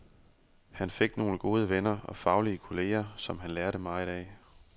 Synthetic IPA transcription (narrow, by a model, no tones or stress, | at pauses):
hænfe̝ɡ̥no̝ːləɡ̥o̝ːð̞ˠəʋenɐɒ̽fɑ̈ʊliəkʰo̝le̝̰ːɐsɒ̽mɦænlæɐɾəmɑ̈id̥ɛ̰ː